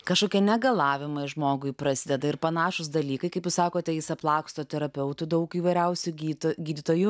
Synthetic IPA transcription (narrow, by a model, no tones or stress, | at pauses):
kɐʃkoːkʲiɛnʲɛɡɐlˠɑːʋʲɪmɐɪʒmoːɡʊɪpɾɐsʲɪd̪ʲɛd̪ɐɪɾpɐnɑːʃʊsd̪ɐlʲiːkɐɪkɐɪpjʊsɑːkoːt̪ʲɛjɪsɐplˠɑːkst̪oːt̪ʲɛɾɐpʲɛʊt̪ʊd̪ɐʊkiːʋɐɪɾʲɛʊsʲʊɡʲiːt̪oɡʲiːd̪ʲɪt̪oːjʊ